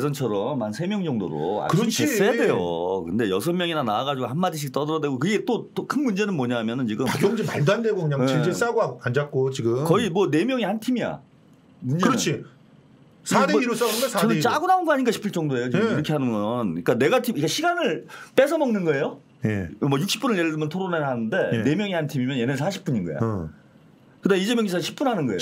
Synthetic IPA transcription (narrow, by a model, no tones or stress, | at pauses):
sʰʌnt͡ɕʰʌɾʌmansʰe̞mjʌŋd͡ʑʌŋdo̰ɾo̰a̰kɯɾit͡ɕʰisɯjade̞jo̰kɯnde̞jʌs̬ʰʌnmjʌŋinanaːɣad͡ʑuɡohamːadiɕ̬ʰik̚t͈ʌdʌɾʌdweɡokɯɡe̞t͈ot͈okʰɯnmund͡ʑe̞nɯnmoɲaɦamjʌnɯnt͡ɕiɡɯmaɡjoŋd͡ʑimaɭdandeɡokɯɲaŋind͡ʑes͈aɡoaand͡ʑak̚k͈ot͡ɕiɡɯmkʌimwʌne̞mjʌŋihantʰimija̰ | ukɯɾʌt͡ɕʰi | sʰadeiɾos͈aɡonasʰaʌnɯnt͡ɕaɡunaonɡʌɦaɲik̬͈aɕʰi̥pʰiɭt͡ɕ͈ʌŋdoe̞jot͡ɕiɡɯmiɾʌkʰe̞ɦanɯnɡʌnik͈ane̞ɡatʰimik͈aɕʰiɡanɯɭp͈e̞sʰʌmʌŋnɯnɡʌe̞jo | jḛmʌjuk̚ɕ͈ʰi̥p͈unɯɭjeɭːdɯmjʌntʰoɾoneɦanɯnde̞jne̞mjʌŋihantʰimimjʌnje̞neɭs̬ʰaɕʰip͈uɲinɡʌḛj̰ | kɯdameid͡ʑemjʌŋɡisʰaɕʰi̥p̚p͈unɦanɯnɡʌejo